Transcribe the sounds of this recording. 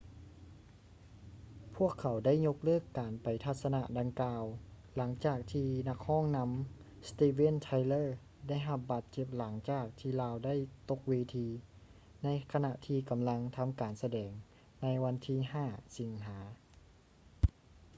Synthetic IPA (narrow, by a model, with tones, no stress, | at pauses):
pʰu˥˩əkʰːa˨˩˦wda˥˩jɲo˧˥k̚lɤː˥˩kːaː˨˩npa˨˩jt̪ʰa˧t̪̚sa˧na˧ʔda˨˧ŋkaː˧w | la˩˦ŋt͡ɕaː˨˩k̚t̪ʰiː˧na˧k̚hɔː˥˩ŋna˧˥m | st̪iː˧we˥˨nt̪ʰa˧jlɤː˥˩ | da˥˩˨jɦa˧p̚baː˧˩t̪̚t͡ɕe˧˩p̚la˩˦ŋt͡ɕaː˨˩k̚t̪ʰiː˧laː˧wda˥˩˨jt̪o˧k̚weː˧t̪ʰiː˧ | na˧˥jkʰa˧na˧ʔt̪ʰiː˧ka˨˩mla˧˥ŋt̪ʰa˧mkaː˨˩nsa˧dɛː˨˩ŋ | na˧˥jwa˧˥nt̪ʰiː˧˥˨ɦaː˧˥˩si˨˦ŋɦaː˩˦